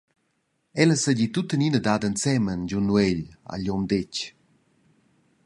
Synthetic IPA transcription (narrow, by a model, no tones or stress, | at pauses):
ɛləsəɟit̪ut̪əninədadənt͡sɛmənd͡ʒunːwɛʎa̰ʎɔmd̪ec